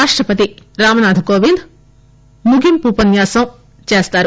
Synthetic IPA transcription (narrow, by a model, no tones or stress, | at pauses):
aːʂʈɾɐpɐt̪iɾaːmɐnaːd̪ʱɐkoːʋind̪ | muɡʱimpuːpɐnjaːsɐm | t͡ʃeːst̪aːɾu